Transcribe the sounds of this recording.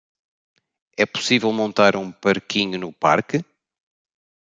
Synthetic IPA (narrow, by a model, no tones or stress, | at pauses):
ɛpu̥sivɛlˠmõnt̪aɾũpɐɾkiɲunupaɾkɨ